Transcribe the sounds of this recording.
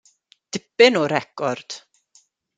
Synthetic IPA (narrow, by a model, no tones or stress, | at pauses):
d̥ɪpɪnɔɾɛkɔrd̥